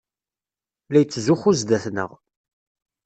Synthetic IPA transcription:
læjət͡sːzuχuzd̪æθnə̰ʁ

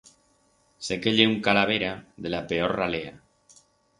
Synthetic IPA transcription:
sekeʎeuŋkalaβ̞eɾaðelapeoɾralea̰

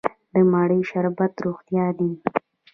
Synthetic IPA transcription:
d̪əmɑɽəjʃaɾbat̪ɾoxt̪jɑd̪i

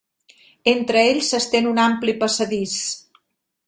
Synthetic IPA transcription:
ent̪ɾəeʎzəst̪enunamplipəsəðis

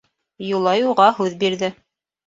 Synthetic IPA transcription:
julˠɑjuʁɑɦʉðbiɾðɘ

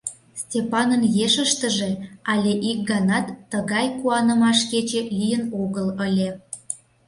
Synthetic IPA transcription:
stʲepɑnənjeʃəʃt̪əʒeɑlʲeʔik̚ɡɑnɑt̪ːəɣɑjkuɑnə̆mɑʃket͡ɕelʲijənoɣələlʲe

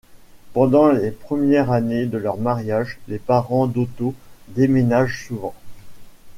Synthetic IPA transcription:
pɑ̃d̪ɑ̃lepχəmjɛʁaned̪əlœʁmaʁjaʒlepaʁɑ̃d̪ot̪od̪emenaʒsuvɑ̃

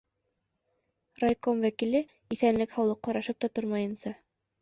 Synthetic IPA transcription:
rajkomvækilɘ | iθænlɘkhɑwlˠɤqːɑɾɑʃɤp̚t̪ɑt̪oɾmɑjɤ̆nsɑ

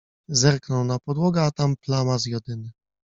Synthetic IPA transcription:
zɛɾknɔwnapɔd̪wɔɡɛat̪amplamazjɔd̪ɘnɘ

